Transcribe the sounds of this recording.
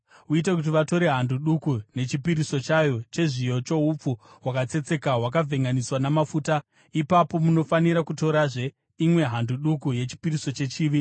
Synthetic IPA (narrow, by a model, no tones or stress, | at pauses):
uit̬ak̬ut̬iʋato̞ɾe̞ɦanduɗukune̞t͡ʃipiɾiso̞t͡ʃajot͡ʃe̞ʐijo̞t͡ʃo̞ɦup͡fu | wakat͡se̞t͡se̞kaɦwak̬avʱe̞ŋɡaniswanamafuːta | ipapo̞muno̞faniɾakuto̞ɾaʐe̞ | imwe̞ɦanduɗukuje̞t͡ʃi̥piɾiso̞t͡ʃe̞t͡ʃiːʋi